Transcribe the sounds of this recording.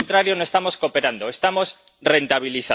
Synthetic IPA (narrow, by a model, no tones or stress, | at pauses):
nt̪ɾaɾjo̞no̞est̪amo̞sko̞pe̞ɾand̪o̞est̪amo̞s | re̞nt̪aβ̞iliθa